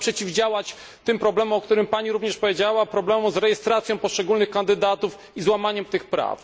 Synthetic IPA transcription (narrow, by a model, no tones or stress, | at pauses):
pʂɛt͡ɕivd͡ʑawat͡ɕ | t̪ɘmpɾɔblɛmɔ̃ɔkt̪uɾɘmpaɲiɾuvɲɛʂpɔvʲjed͡ʑawapɾɔblɛmɔ̃zɾɛjɛst̪ɾat̪sʲjɔ̃w̃pɔʂt͡ʂɛɡulnɘxkand̪ɘd̪at̪uf | izwamaɲɛmt̪ɘxpɾa̰f